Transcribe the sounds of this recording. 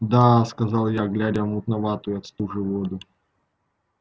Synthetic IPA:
d̪askɐzɑlˠjaɡlʲadʲəmʊt̪nɐvat̪ʊjʊɐt̪st̪uʐɨvod̪ʊ

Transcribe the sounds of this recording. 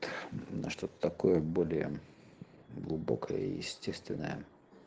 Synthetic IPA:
t̪nɐʂt̪ot̪ət̪ɐko̞jəbo̞lʲɪjə̰ | ɡlˠʊbo̞̰kəjəjɪsʲtʲest̪vʲɪnːəjə

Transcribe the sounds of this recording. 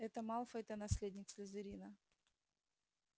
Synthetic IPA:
ɛt̪əmalˠfəɛt̪ənɐsʲlʲedʲnʲɪksʲlʲɪzɨɾʲinə

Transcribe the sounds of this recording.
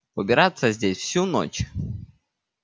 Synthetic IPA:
əbʲɪɾat̪səzʲdʲesʲfsʲuno̰t͡ɕ

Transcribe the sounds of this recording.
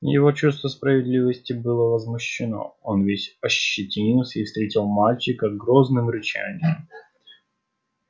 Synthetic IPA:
jɪ̰vo̞t͡ɕust̪vəspɾəvʲɪd̪lʲivəsʲtʲɪbɨlˠəvəzmʊɕːɪno̞̰o̞nvʲesʲɐɕːɪtʲinʲilˠsʲəifst̪ɾʲetʲɪlˠmalʲt͡ɕɪkəɡɾo̞znɨmɾɪt͡ɕæ̰nʲɪjəm

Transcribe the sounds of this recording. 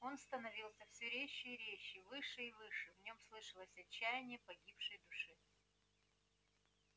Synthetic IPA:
o̞nst̪ənɐvʲilˠsʲəfsʲʊɾʲeɕːɪːɾʲeɕːɪvɨʂɨivɨʂɨvnʲo̞mslˠɨʂəlˠəsʲɐt͡ɕːæjɪnʲɪjəpɐɡʲipʂɨjd̪ʊʂɨ

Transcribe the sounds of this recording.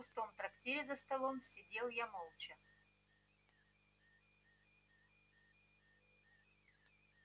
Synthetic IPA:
pʊst̪omt̪ɾɐktʲeɾʲɪzɐst̪ɐlˠomsʲɪdʲelˠjamolˠt͡ʃɐ

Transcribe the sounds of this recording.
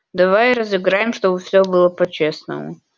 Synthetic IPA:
d̪ɐvajɾəzɨɡɾajɪmʂt̪obɨfsʲɵbɨlˠəpɐt͡ɕesnə̰mʊ̰

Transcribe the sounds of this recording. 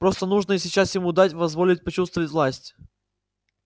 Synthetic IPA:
pɾo̞st̪ənuʐnəɪsʲɪt͡ɕasjɪmud̪atʲvɐzvo̞lʲɪtʲpɐt͡ɕust̪vəvətʲvlˠasʲtʲ

